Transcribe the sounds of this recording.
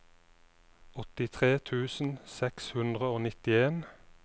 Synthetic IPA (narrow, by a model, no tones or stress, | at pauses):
ɔt̪ɪt̪ʰʁeːt̪ʰʉːsn̩sɛkshʉnd̪ʁəoːnɪt̪ɪeːn